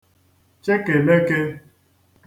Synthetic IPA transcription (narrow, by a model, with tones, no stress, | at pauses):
t͡ʃe˦ke˨me˦ke˦